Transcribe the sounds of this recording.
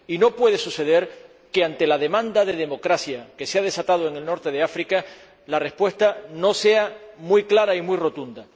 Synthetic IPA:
ino̞pwe̞ð̞e̞suse̞ðe̞ɾ | ke̞ant̪e̞laðe̞mãnd̪aðe̞ð̞e̞mo̞kɾasjake̞seað̞e̞sat̪að̞oeŋe̞lno̞ɾt̪eð̞e̞afɾika | lare̞spwe̞st̪ano̞se̞amujklaɾaimujro̞t̪und̪a

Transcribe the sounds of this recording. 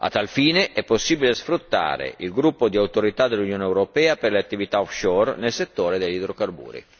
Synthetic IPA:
a̰t̪ːalfiːneʔɛpːosːibilesfɾut̪ːa̰ːɾḛilɡɾupːod̪iawt̪oɾit̪ad̪elːunjoːnɛwɾopɛːaperleat̪ːivit̪aɔfʃɔːrnelset̪ːoːɾed̪eʎːid̪ɾokarbṵːɾḭ

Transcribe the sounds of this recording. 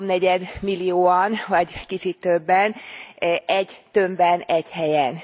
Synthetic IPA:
mnɛɟɛd̪milːijoːɒnvɒɟkit͡ʃit̪ːøbːɛn | ɛɟt̪ø̞mbɛnɛɟhɛjɛn

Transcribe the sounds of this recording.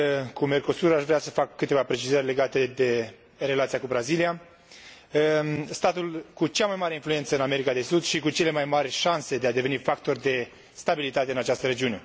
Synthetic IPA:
kume̞rko̞suɾaʃvɾeasəfakːɨt̪evapɾe̞t͡ʃizərʲle̞ɡat̪e̞d̪e̞ | re̞lat̪sijakubɾazilija | əst̪at̪ulkut͡ʃamajmaɾeinfluje̞nt̪səɨname̞ɾikad̪e̞sud̪ʃikut͡ʃe̞le̞majmarʲʃanse̞d̪ead̪e̞ve̞nifakt̪o̞rd̪e̞ | st̪abilit̪at̪e̞ɨnat͡ʃast̪əɾe̞d͡ʒiune̞

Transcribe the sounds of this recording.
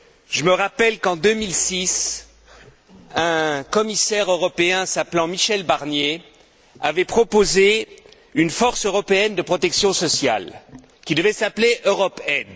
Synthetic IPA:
ʒəməʁapɛlkɑ̃d̪ømilsis | ɛ̃kɔmisɛʁøʁɔpeɛ̃saplɑ̃miʃɛlbaʁnje | a̰vɛpχɔpoze | ynfɔʁsøʁɔpeɛnd̪əpχɔt̪ɛksjɔ̃sɔsja̰l | kʲid̪əvɛsapleʔøʁɔpɛd̪

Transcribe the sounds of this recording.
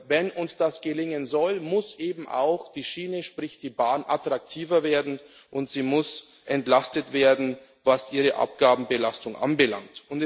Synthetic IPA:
vɛnʔʊnsd̥asɡ̥əlɪŋənzɔlmʊsʔeːbm̩ʔa̰ʊxd̥iːʃiːnəʃpʁ̥ɪçd̥iːbaːnʔa̰tʁ̥ak̚tʰiːvɐveːɐdn̩ | ʔʊntz̥iːmʊs | ʔɛntlastətv̥eːɐdn̩ | vasʔiːʁəʔa̰p̚ɡ̥aːbm̩bəlastʊŋʔa̰nbəla̰ŋtʊnt

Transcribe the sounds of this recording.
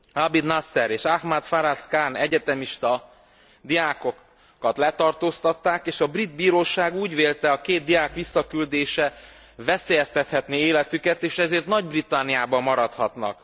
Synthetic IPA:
abid̪nasːɛɾeːʃahmat̪faɾaskaːnɛɟɛt̪ɛmiʃt̪ɒ | d̪ijaːko̞kː | ɒt̪lɛt̪ɒrt̪oːst̪ɒt̪ːaːkeːʃɒbrid̪̚biːɾoːʃaːɡuːɟveːlt̪ɛɒkeːt̪̚d̪ijaːkʋisːɒkyld̪eːʃɛ | vɛseːjɛst̪ɛt̪hɛt̪neeːlɛt̪ykɛt̪eːʃɛzeːrt̪nɒɟbrit̪ɒnːijaːbɒmːɒɾɒt̪hɒt̪nɒ̰k

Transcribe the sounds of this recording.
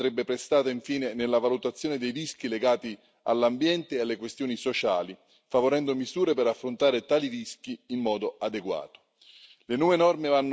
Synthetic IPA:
ɾɛbːepɾest̪aːt̪aiɱfiːnenelːavalut̪at̪sːjoːned̪ejrisk̟ileɡaːt̪i | a̰lːambjɛnt̪ealːekwest̪joːnisot͡ʃaːli | favoɾɛnd̪omizuːɾepeɾafːɾont̪aːɾet̪aːliɾisk̟iːmːɔːd̪oad̪eɡwa̰ːt̪o̥ | lenɔːvenɔrmevanː

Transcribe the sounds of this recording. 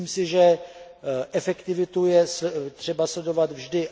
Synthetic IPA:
imsɪʒɛ | ʔɛfɛkt̪ɪvɪt̪ujɛst̪r̝̥ɛbaslɛdo̞vat̪vʒdɪ

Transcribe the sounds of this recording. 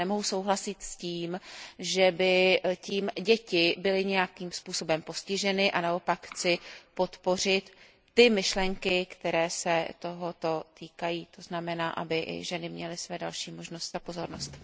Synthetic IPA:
ɛmo̞ɦuso̞wɦlasɪt̪sciːmʒɛbɪciːmɟɛcɪbɪlɪɲɛjakiːmspuːso̞bɛmpo̞scɪʒɛnɪʔanao̞pakxt͡sɪpo̞t̪po̞r̝ɪt̪ː | ɪmɪʃlɛŋkɪkt̪ɛɾɛːsɛt̪o̞ɦo̞t̪o̞t̪iːkajiːt̪o̞znamɛnaːʔa̰bɪʔɪ̰ʒɛnɪmɲɛlɪsvɛːdalʃiːmo̞ʒno̞st̪zapo̞zo̞ɾnost̪

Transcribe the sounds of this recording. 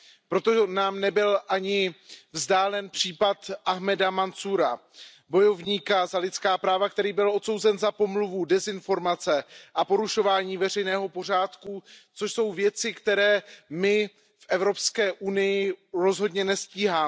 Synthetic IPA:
pɾo̞t̪onaːmnɛbɪlʔaɲɪvzdaːlɛnpr̝̥iːpat̪ʔaɦmɛdamant͡suːɾa | bo̞jo̞vɲiːkazalɪt̪t͡skaːpɾaːvak̚t̪ɛɾiːbɪlʔo̞t̪so̞wzɛnzapo̞mluvudɛzɪnfo̞ɾmat͡sɛʔapo̞ɾuʃo̞vaːɲiːvɛr̝ɛjnɛːɦo̞po̞r̝aːt̪kut͡so̞ʃso̞wvjɛt͡sɪkt̪ɛɾɛːmɪ | fʔɛvɾo̞pskɛːʔunɪjɪɾo̞zɦo̞dɲɛnɛsciːɦaː

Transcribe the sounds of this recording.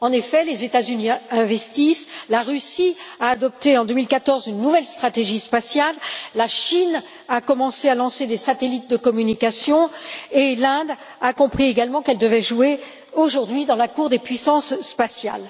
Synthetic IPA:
ɑ̃nefɛlezet̪azyniɛ̃vɛst̪islaʁysiaːd̪ɔp̚t̪eɑ̃d̪ømilkat̪ɔʁzynːuvɛlst̪χat̪eʒispasjalːaʃin | akɔmɑ̃sealɑ̃sed̪esat̪elit̪̚d̪əkɔmynikasjɔ̃elɛ̃d̪ | akɔ̃pχieɡalmɑ̃kɛld̪əvɛʒue | oʒuʁd̪ɥid̪ɑ̃lakuʁd̪epɥisɑ̃sːpasja̰l

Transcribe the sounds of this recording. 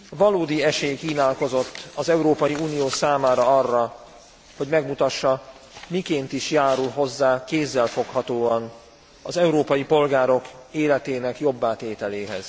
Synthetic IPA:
vɒloːd̪iɛʃeːjkiːnaːlko̞zo̞t̪ːɒzɛuɾoːpɒjiuːnijoːsaːmaːɾɒɒrːɒ | ho̞ɟmɛɡmut̪ɒʃːɒ | mikeːnt̪iʃjaːɾulɦo̞zːaːkeːzːɛlfo̞khɒt̪oːɒn | ɒzɛuɾoːpɒjipo̞lɡaːɾo̞keːlɛt̪eːnɛkjo̞bːaːt̪eːt̪ɛleːɦɛ̰z̥

